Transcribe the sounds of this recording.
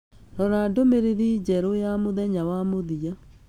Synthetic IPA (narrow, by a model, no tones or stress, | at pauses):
ɾɔɾadomeɾeðiːd͡ʑɛɾojamoðɛɲawamoðia